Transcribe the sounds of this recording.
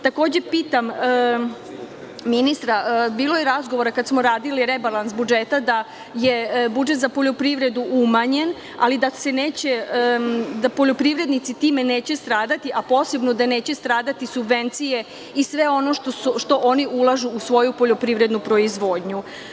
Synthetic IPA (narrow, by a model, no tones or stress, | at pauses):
t̪ako̞ːd͡ʑe̞piːt̪am | minist̪ɾabiːlo̞jeɾazɡo̞ʋo̞ɾakad̪smoɾaːd̪iliɾebalˠansbud͡ʒet̪ad̪a | je̞bud͡ʒet̪zapo̞ʎo̞pɾiʋɾe̞d̪uʔumaɲe̞n | a̰lid̪ase̞neːt͡ɕe̞ | d̪apo̞ʎo̞pɾiʋɾe̞d̪nit̪sit̪iːme̞neːt͡ɕe̞st̪ɾaːd̪at̪iʔapo̞ːse̞bno̞d̪ane̞ːt͡ɕe̞st̪ɾaːd̪at̪isubʋe̞nt̪sije̞ | isʋe̞o̞no̞ʃt̪ouʃt̪o̞ʔoniʔulˠaʒuusʋo̞jupoʎo̞pɾiʋɾe̞d̪nupɾo̞izʋo̞ːd̪ɲu